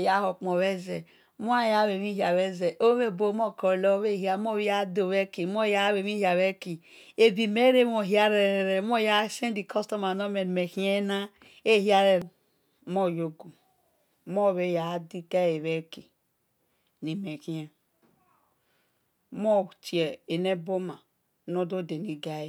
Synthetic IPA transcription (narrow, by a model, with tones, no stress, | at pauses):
ja˦ho˨k͡po˨βe˦ze˨˦ | mo˦a˦ja˦we˨βi˦i˦a˨βe˦ze˨ʔo˦me˦˨bo˦mo˦ko˨lo˦βe˦˨ɦi˦a˦mo˦˨we˦ja˦do˨βe˦ki˨m˦o˦˨ja˦we˨βi˦ha˨βe˦ki˨ | e˨bi˨me˦ɾe˦mo˨ɦja˦ɾe˨ɾe˨ɾe˨˦m˦o˦ja˦se˦n˦di˨kʰo˦sto˦ma˨no˦me˨n˨me˨ki˦e˦na˦ | e˦hi˦a˦ɾe˨ | mo˦˨jo˦ɡu˨ | mo˦˨βe˦˨ja˨˦di˦ka˦je˨βe˦ki˨ | ni˨me˨ki˦e˦ | mo˦˨t͡ʃi˨e˨e˨ne˦bo˦ma˨˦ | no˦do˦de˨ni˨ɡa˦˨